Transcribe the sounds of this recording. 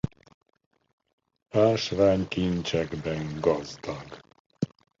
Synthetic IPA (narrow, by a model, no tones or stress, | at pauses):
aːʃvaːɲkint͡ʃɛɡbɛŋɡɒzd̪ɒɡ